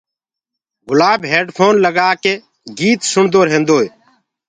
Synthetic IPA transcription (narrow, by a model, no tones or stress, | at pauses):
ɡʊlaːbɦeːɖpʰoːnləɡaːkeː | ɡiːt̪sʊɳd̪oːɾɦẽːnd̪oːj